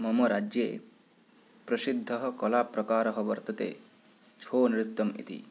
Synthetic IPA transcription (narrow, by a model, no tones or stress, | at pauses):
mɔmoɾad͡ʒjeː | pɾɐsid̪ʱːʌɦɔkɔlaːpɾɐkaːɾɔɦɔʋɐɾt̪ɐt̪ḛ | t͡ʃʰoːniɾit̪ːɐmḭt̪ḭ